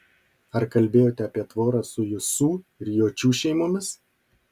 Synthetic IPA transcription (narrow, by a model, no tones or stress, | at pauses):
ɐɾkɐlʲbʲeːjoːt̪ʲɛɐpʲiɛt̪ʋoːɾɑsʊjɪsuːɪɾjoːt͡ʃʲuːʃʲɛɪmoːmʲɪs